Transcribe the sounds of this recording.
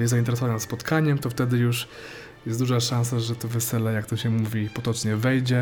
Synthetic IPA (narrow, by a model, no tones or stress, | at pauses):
jɛszaint̪ɛɾɛs̬ɔvannat̪spɔt̪kʰaɲɛmt̪ɔft̪ɛd̪ɘjuʂ | jɛsd̪uʐaʂãñs̬aʐɛt̪ɔvɛsɛlɛjakt̪ɔɕɛmuvʲipɔt̪ɔt͡ʂɲɛvɛjd͡ʑɛ